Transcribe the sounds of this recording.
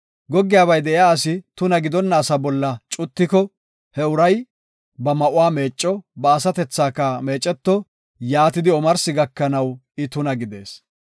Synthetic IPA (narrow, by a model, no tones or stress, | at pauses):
ɡɔɡːɪjaːbɐjd̪ɛʔɪjaːɐsɪt̪ʊnɐɡɪd̪ɔnːɐːsɐbɔlːɐt͡ʃʼʊt̪ːɪkɔ | hɛʊɾɐj | bɐmɐʔʊwaːme̞ːt͡ʃʼːɔbɐːsɐt̪ɛt͡sːaːkːɐme̞ːt͡ʃʼːɛt̪ːɔ | jaːt̪ɪd̪ɪɔmɐɾsɪɡɐkːɐnɐw | ɪt̪ʊnɐɡɪd̪e̞̰ːs